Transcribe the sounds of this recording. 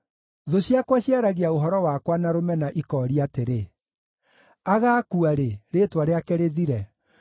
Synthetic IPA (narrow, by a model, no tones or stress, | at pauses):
ðoɕiakwaɕjaɾaɣiaoɦɔɾɔwakwanaɾomɛnaʔikɔːɾiateɾe | aɣakuaɾeɾeːtwaɾeakɛɾeðiɾɛ